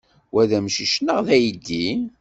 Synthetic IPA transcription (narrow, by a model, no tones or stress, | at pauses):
wæðæmʃiʃnəʁðæjid̪ːi